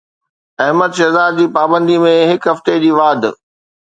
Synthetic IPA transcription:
ɐɦməd̪ʃɐzaːd̪̚d͡ʑiːpaːbə̃nd̪imẽɦɪkɦɐft̪ed͡ʑiːʋaːd̪

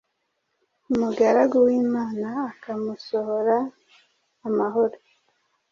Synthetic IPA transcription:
umuɡaɾaɡowiːmaːnaːkamuso̞ho̞ɾaː | maɦo̞ɾo

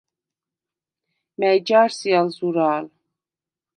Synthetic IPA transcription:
mɛjd͡ʒaɾsialzuɾaːl

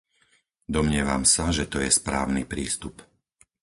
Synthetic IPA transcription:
d̪ɔmɲɪɛʋa̰msaʒɛt̪ɔjɛspɾa̰ːʊnipɾiːst̪up

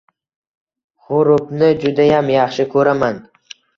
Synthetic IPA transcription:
hʊɾʊpnɪd͡ʒʊd̪ajamjɑχʃɪkʰɵɾaman

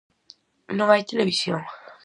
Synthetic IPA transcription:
nõβajt̪eleβisjõŋ

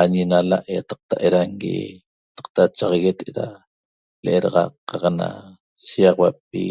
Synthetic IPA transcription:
aɲinalaʔjat̪ɑ̥q̚t̪aʔeɾaŋɡḭjat̪ḁq̚t̪at͡ʃaʁɑɣet̪eɾa | leʔeɾɑʁɑqːɑqna̰ | siɑʁwap̚ḭ

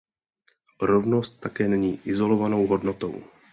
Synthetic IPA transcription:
ɾovno̞st̪ːakɛːnɛɲiːʔɪzo̞lovanowɦodnot̪o̞̰w

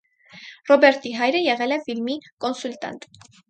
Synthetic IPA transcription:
rɔbɛɾt̪iɦɑjɾəjɛʁɛlɛfilmikɔnsult̪ɑ̰nt̪

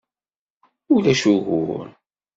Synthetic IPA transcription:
ulæʃuɣʊ̰ɾ

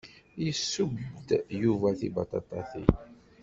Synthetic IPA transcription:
jəsːubd̪juvæθḭbɑt̪ɑt̪ˤɑθḭ

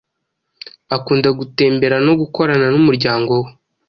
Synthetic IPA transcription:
akuːndaɡute̞ːmbe̞ɾano̞ɡuko̞ɾananumuɾɟaːŋɡo̞we

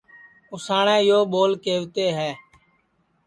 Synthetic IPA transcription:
ʊsaːɳẽːɪjoːɓoːlkeːʋt̪eːɦɛː

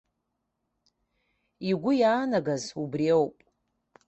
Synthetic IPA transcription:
iɡʷʊjaːnaɡazubriewpʼ

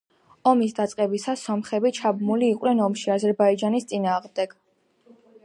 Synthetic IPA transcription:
ɔmisd̪at̪sʼqʼɛbisasɔmχɛbit͡ʃʰabmuliːqʼwnɛnɔmʃiazɛɾbaid͡ʒanist̪sʼinaːʁmd̪ɛɡ̥

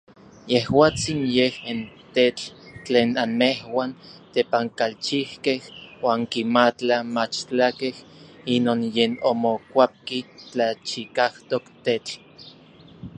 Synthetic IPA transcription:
jehwaːt͡sinjehint̪et͡ɬt͡ɬeːnanmehwaːnt̪epaŋkalt͡ʃihkehwaːŋkimat͡ɬamat͡ʃt͡ɬakeh | inoːnjeːnomokʷap̚kit͡ɬat͡ʃikaht̪okt̪et͡ɬ

